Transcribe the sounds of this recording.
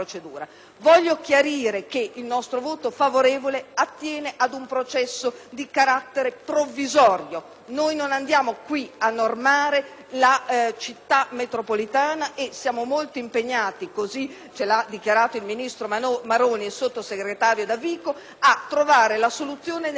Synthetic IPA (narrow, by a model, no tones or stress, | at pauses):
ɾot͡ʃed̪ṵːɾa | vɔʎːok̟jaɾiːɾekeilnɔst̪ɾovoːt̪ofavoɾeːvoleat̪ːjɛːneʔad̪umpɾot͡ʃɛsːod̪ikaɾat̪ːeɾepɾovːizɔːɾjo | noːjnonand̪jaːmokwianːormaːɾe | lat͡ʃit̪ːamet̪ɾopolit̪aːnaʔesjaːmomolt̪oimpeɲːaːt̪ikozi | t͡ʃelad̪ːik̟jaɾaːt̪oilminist̪ɾomaɾoːniesot̪ːoseɡɾet̪aːɾjod̪aviːko | at̪ːɾovaːɾelasolut̪sːjoːnen